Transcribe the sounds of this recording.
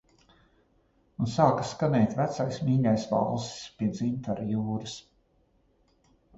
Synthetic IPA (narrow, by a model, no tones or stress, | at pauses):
unsaːkaskanɛjt̪ʲvæt̪sajsmiːʎʲajsva̰lˠsi̥spiɛd̪zint̪aɾjuːɾɨs